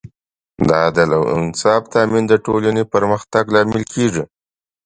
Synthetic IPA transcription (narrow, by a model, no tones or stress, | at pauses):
d̪ɑd̪əlawɪ̰nsɑbt̪ɑmind̪əʈolanepəɾməxt̪aɡlɑmɪlkʰeʐi